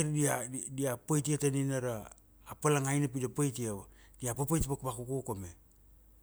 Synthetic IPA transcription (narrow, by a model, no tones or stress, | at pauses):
ɾdiadiapajtiataninaɾaː | palaŋajnap̬idapajtiaβa | diapapajtpakpakukokome